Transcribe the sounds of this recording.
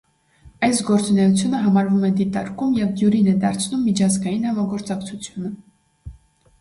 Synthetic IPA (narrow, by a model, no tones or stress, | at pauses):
ɑjsɡɔɾt͡sunɛjut͡sʰjunəɦɑmɑɾvumɛd̪it̪ɑɾkumjɛvd̪juɾinɛd̪ɑɾt͡sʰnumːit͡ʃʰɑzɡɑjinhɑmɑɡɔɾt͡sɑkt͡sʰut͡sʰjunə